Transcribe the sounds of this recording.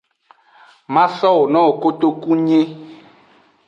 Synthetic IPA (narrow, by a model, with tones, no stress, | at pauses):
mã˦sɔ˦wo˨nɔ̃˦o˨ko˦t̪o˦ku˦ɲẽ˦